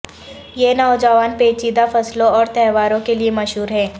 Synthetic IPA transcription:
jenɔːd͡ʒəʋaːnpeːt͡ʃiːd̪afɐslõɔːɾt̪ɛːʋaːɾõkeliemɐʃɦuːɾɦɛ̃ː

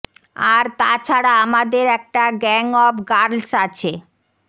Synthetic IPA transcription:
aɾt̪at͡ɕʰaɽaamad̪eɾɛk̚ʈaɡɛŋɔbɡaɾlsat͡ɕʰe

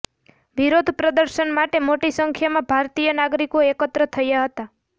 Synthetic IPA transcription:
ʋiɾod̪ʱpɾəd̪əɾʃənmaʈemoʈisəŋkʰjamãbʱaɾt̪ijənaɡɾikoekət̪ɾət̪ʰəjaɦət̪a

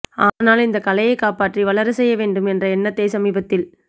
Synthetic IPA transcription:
aːnaːlɪnd̪ɐkɐlɐjɐɪkːaːpaːʈriʋɐlɐɾɯsɛjːɐʋeːɳɖɯmɛndrɐɛnːɐt̪ːeːsɐmiːbɐt̪ːɪl

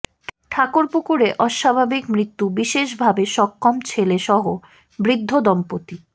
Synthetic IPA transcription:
ʈʰakoɾpukuɾeʔɔʃabʱabikmɾit̪ːubiʃeʃbʱabeʃɔkːɔmt͡ɕʰeleʃɔɦo | bɾid̪ʱːod̪ɔmpot̪i

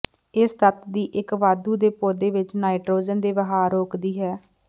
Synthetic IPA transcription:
ɪst̪ət̪d̪iːʔɪkʋaːd̪uːd̪eːpoːd̪eːʋɪt͡ʃnaːiʈɾoːd͡ʒənd̪eːʋəɦaːɾoːkd̪iːɦɛː

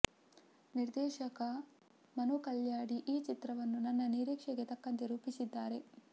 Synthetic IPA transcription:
niɾd̪ɛːʃɐkɐ | mɐnukɐljaːɽiʔiːt͡ʃit̪ɾɐʋɐnːunɐnːɐniɾiːkʂɛɡe̞t̪ɐkːɐnt̪eɾuːpisid̪ːaːɾe̞

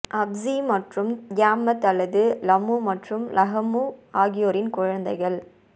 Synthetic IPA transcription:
ʔɐbzimɐʈrɯmɡaːmɐt̪ɐlːɐðɯlɐmumɐʈrɯmlʔɐɣɐmuaːɣɪjoːɾɪnkʊɻɐnd̪ɐɪɣɐɭ

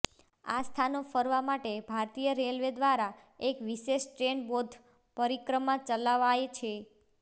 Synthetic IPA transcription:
a̰st̪ʰanofəɾʋamaʈebʱaɾt̪ijəɾelʋed̪ʋaɾa | ekʋiʃeʃʈɾeɳbod̪ʱ | pəɾikɾəmãt͡ʃəlaʋajt͡ʃʰe

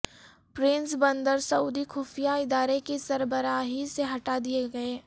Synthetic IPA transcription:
pɾɪ̃nsbə̃nd̪əɾsɐuːd̪ixuːfijaɪd̪aːɾekesɐɾbəɾaːɦiseɦɐʈad̪ieɡɐeː

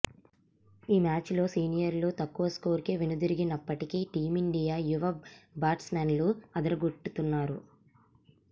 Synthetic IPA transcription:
iːmaːt͡ʃlo̞ːsiːnijɐɾlut̪ɐkːuʋɐsko̞ːɾkeːʋinud̪iɾiɡinɐpːɐʈikiʈiːmiɳɖijaːjuʋɐbaːʈsmanluɐd̪ɐɾɐɡoʈːut̪unːaːɾu

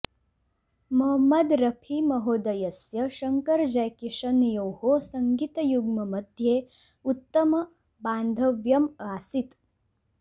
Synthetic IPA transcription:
mɐɦɐmɐd̪ɾɐpʰimɐɦoːd̪ɐjɐsjɐʃɐŋkɐɾd͡ʒɐjkiʂɐnjowhosɐŋɡit̪ɐjuɡmɐmɐd̪ʱjeː | ut̪ːɐmɐ | baːnd̪ʱɐʋjɐmaːsit̪

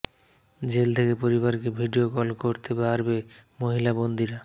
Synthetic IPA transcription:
d͡ʑelt̪ʰekepoɾiβaɾkebʱiɖiokɔlkoɾt̪epaɾbemoɦilabond̪iɾa

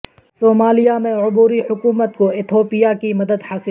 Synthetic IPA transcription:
soːmaːlijamẽʊbuːɾihʊkuːmət̪koɪt̪ʰoːpijakimɐd̪əd̪haːsɪ

